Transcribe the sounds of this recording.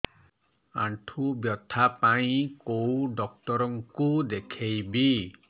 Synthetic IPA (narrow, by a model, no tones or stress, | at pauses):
aɳʈʰubjɔt̪ʰːapaĩkowɖɔk̚tɔɾɔŋkud̪ekʰejbi